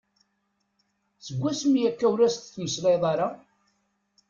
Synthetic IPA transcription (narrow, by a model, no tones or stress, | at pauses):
səɡʷːæsmijækːæwɾæst̪θməslɑjðˤɑɾɑ